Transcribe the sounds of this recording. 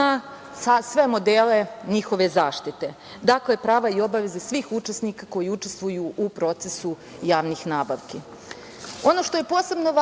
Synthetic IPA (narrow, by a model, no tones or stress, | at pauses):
a | sasʋe̞mo̞d̪ele̞ɲixo̞ʋe̞zaːʃt̪it̪e̞ | d̪aklepɾaːʋaio̞baʋe̞zesʋiːxut͡ʃesnikako̞jiut͡ʃest̪ʋujuʔupɾo̞t̪sesu | jaːʋniːxnaːbaʋki | o̞no̞ʃt̪o̞je̞po̞ːse̞bnoʋa